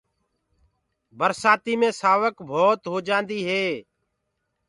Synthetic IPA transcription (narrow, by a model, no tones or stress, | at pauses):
bəɾsaːt̪iːmẽːsaːʋəkbʱoːt̪ɦoːd͡ʒãːnd̪iːɦeː